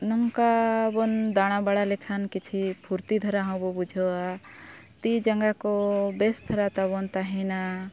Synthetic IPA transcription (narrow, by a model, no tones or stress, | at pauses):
nɔŋkabond̪aɽ̃abaɽalekʰankit͡ʃʰipʰuɾt̪id̪ʱəɾaɦɔ̃bobud͡ʒʱoa | t̪id͡ʒəŋɡakobest̪ʰəɾat̪abont̪aɦina